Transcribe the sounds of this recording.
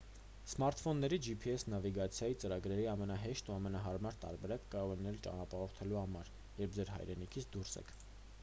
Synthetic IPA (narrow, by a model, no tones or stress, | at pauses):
smɑɾt̪fɔnːɛɾid͡ʒipʰiɛsnɑviɡɑt͡sʰjɑjit͡səɾɑɡɾɛɾiɑmɛnɑɦɛʃt̪uɑmɛnɑɦɑɾmɑɾt̪ɑ̰ɾbɛɾɑkːɑɾɔʁɛnɛlt͡ʃɑ̰nɑpɑhɔχt̪ʰɛluhɑmɑɾ | jɛɾp̚ʰd͡zɛɾɦɑ̰jɾɛnikʰit͡sʰd̪uɾsɛ̰kʰ